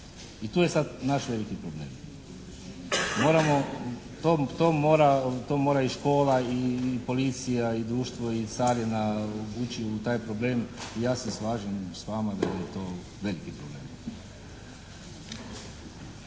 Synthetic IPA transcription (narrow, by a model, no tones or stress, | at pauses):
it̪uːjesad̪naʃʋe̞likipɾoble̞ːm | mo̞ːɾamo̞ | t̪ot̪oːmo̞ːɾat̪oːmoɾaiʃko̞ːlaipo̞lit̪sijaid̪ɾuːʃt̪ʋo̞it̪saːɾjenabut͡ʃiut̪aːjpɾoble̞ːmijaːsesʋaːʒemsʋaːmad̪a̰jɛt̪oː | ʋe̞likipɾoble̞ːm